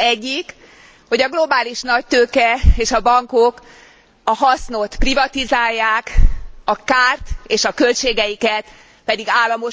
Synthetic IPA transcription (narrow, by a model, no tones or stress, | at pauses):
ɛɟːik | ho̞ɟɒɡlo̞baːliʃnɒc̚t̪øːkɛeːʃɒbɒŋko̞k | ɒɦɒsno̞t̪privɒt̪izaːjːaːkɒkaːrt̪eːʃɒkø̞lt͡ʃeːɡɛjikɛt̪ | pɛd̪iɡaːlːɒmo̞